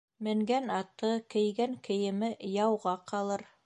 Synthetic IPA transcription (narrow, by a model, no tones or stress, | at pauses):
mɘ̆ŋɡænɑt̪ɤkɘ̆jɡæŋkɘ̆jɘ̆mɘjɑwʁɑqɑlˠɤɾ